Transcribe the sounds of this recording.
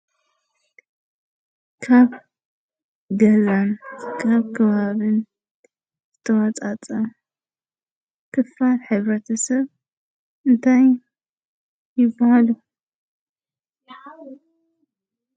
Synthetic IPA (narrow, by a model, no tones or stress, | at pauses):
kʰaβ | ɡɐzankʰaβkʰɐβaβɨn | z̥ɨt̪ʰɐwat͡sʼat͡sʼɐ | kʰɨfalħɨβɾɐt̪ʰɐsɐβ | ʔɨnt̪ʰaj | jɪbːahalu